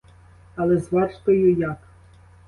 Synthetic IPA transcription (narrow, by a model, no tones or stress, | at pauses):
ɐlˠɛzʋɑʃt̪ɔjʊjak